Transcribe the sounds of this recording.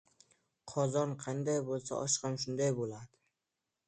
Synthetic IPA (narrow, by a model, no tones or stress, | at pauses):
qʰɒzɒnqʰɑnd̪ajbolˠsa̰ʔɒʃqɨmʃʊnd̪ajbolad̪̥ɪ